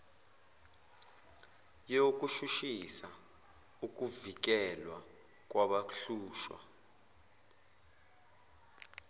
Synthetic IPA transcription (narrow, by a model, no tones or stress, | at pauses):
jok̬ʼuʃuʃisa | uk̬ʼuvik̬ɛlwa | k̬ʼwaɓaɬuːʃwa̰